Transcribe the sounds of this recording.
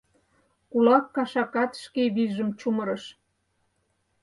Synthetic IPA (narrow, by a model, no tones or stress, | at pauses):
kulɑkːɑʃɑkɑt̪ʃkeβiʒə̆mt͡ɕuməɾə̆ʃ